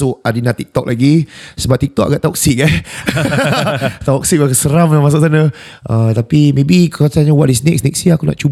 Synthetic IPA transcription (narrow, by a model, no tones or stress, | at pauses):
oadinat̪ik̚t̪ɔk̚laɡisəbap̚t̪ik̚t̪ɔʔa̰ɡaʔt̪ɔksiʔɡajs | t̪aɔk̚siʔbakəsəɾamnamas̬aʔsanə | ət̪apimẽbikasaɲawaʔdis̬nɛk̚snɛk̚siakuna̰ʔt͡ʃu